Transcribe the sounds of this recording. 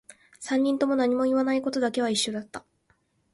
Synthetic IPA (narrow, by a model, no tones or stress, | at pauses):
sãɲ̟ːĩnt̪o̞mo̞naɲ̟imo̞iβanaiko̞t̪o̞d̪ake̞β̞aiɕːo̞d̪at̪ːa